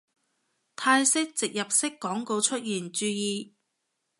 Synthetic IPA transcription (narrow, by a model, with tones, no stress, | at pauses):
t̪ʰaː˧jsɪ˥k̚t͡sɪ˨k̚jɐ˨p̚sɪ˥kːɔː˨˥ŋko˧wt͡ʃʰɵ˥t̚jiː˨˩nt͡ʃyː˧jiː˧